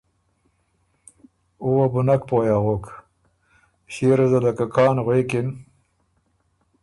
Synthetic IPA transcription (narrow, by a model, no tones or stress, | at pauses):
uwabʊnakpoːjaɣok | ɕeɾazalakakʰɑːnɣekɪn